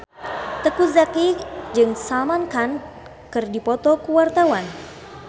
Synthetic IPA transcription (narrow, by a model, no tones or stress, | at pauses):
t̪əkuzakid͡ʒɨŋsamankan | kɨrdipɔt̪ɔkuwart̪awan